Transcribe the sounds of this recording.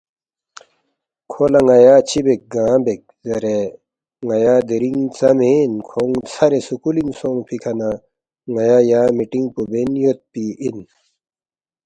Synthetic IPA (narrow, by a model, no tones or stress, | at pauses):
kʰolɐŋɐjaːt͡ɕʰibek̚ɡãːbek̚zɐɾe | ŋajaːd̪eɾiŋt͡sɐmeːnkʰoŋt͡sʰɐɾesukuliŋsoŋpʰikʰɐna | ŋajaːjaːmiʈiŋpubenjot̪̚piin